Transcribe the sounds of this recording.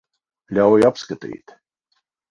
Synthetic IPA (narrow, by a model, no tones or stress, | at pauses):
lʲawjapskat̪ʲḭːt̪